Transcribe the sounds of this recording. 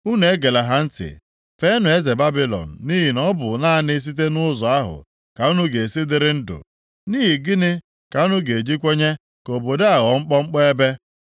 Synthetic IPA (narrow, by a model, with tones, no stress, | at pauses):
u˦ne˨e˦ɡe˨la˨ɦa˦n̩˦tɪ̰˨ | fe˦nʊ˨e˦ze˨ba˦bi˦lɔ̰˨n̩˨ni˦ɦi˨nɔ˦bʊ˨na˦nɪ˦s̬i˦t̬e˦nʊ˦zɔ˨a˦ɦʊ̰˨ | ka˨u˦nu˦ɡe˨e˨si˦dɪ˦ɾɪ˦n̩˦dʊ̰˨ | ni˦ɦi˨ɡɪ˦nɪ˦ | ka˨u˦nu˦ɡe˨d͡ʒi˦kʷe˦ɲe˦ | ko˨bo˨de˦a˨ɣɔ˨ŋ͡m̩˦k͡pɔ˦ŋ͡m̩˦k͡pɔ˦e˦be˦